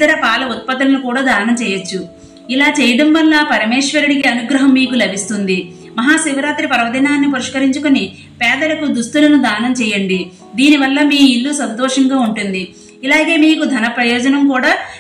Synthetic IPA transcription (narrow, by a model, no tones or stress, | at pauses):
t̪ɐɾɐpaːlɐut̪̚pɐt̪ːulɐnukuːɽaːd̪ʱaːɐnɐmt͡ʃɛːjɐt͡ʃːu | ilaːt͡ʃɛːjɐɽɐmʋɐnlaːpɐɾɐmeːʂʋɐɾuɽikiɐnuɡɾɐɦɐmːiːkulɐbʱist̪und̪i | mɐɦaːsiʋɐɾaːt̪ɾipɐɾɐʋɐd̪inaːnːipɐɾiʂkɐɾiɲt͡ʃukoni | pɛːd̪ɐlɐkud̪ust̪ulɐnud̪ʱaːnɐmt͡ʃɛːjɐɳɖi | d̪iːniʋɐlːɐmiːilːusɐnt̪ɔːʂɐŋɡaːuɳʈund̪i | ilaːɡe̞ːmiːkud̪ʱɐnɐpɾɐjɔːd͡ʒɐnɐmkuːɽaː